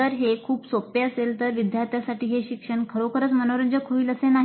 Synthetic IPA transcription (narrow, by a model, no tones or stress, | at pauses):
əɾɦekʰuːpsopeəselt̪əɾʋid̪jaɾt̪ʰjasaʈiːɦeɕikʂəɳkʰəɾokʰəɾət͡smənoɾəɲd͡ʑəkʰoiːləsenaɦi